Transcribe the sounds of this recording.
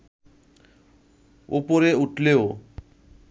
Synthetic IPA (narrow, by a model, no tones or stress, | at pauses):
o̰poɾeuʈʰleo